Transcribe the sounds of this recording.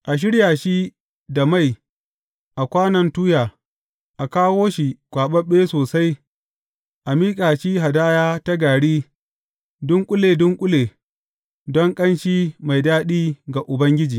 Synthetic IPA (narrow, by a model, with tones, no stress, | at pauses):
ʔa˨ʃ̬ɪ˦ɽjaː˨ʃi˦ | da˨ma˦˨j | ʔa˨kʷaː˦nɐ˨ntuː˦jaː˨ | ʔa˨kaː˦woː˦ʃi˨kʷaː˨ɓɐ˦ɓːeː˦soː˨sa˦j | ʔa˨miː˦kʼaː˨ʃiː˦ɦa˨daː˦jaː˦ta˦ɡaː˨ɽiː˦ | dʊ˦ŋkʷʼʊ˦leː˨dʊ˦ŋkʷʼʊ˦leː˨ | dɔ˦ŋkʼɐ˦nʃiː˦ma˨jdaː˦ɗiː˦ɡa˨ʔʊ˨bɐ˦ŋɡʲɪ˦d͡ʒiː˨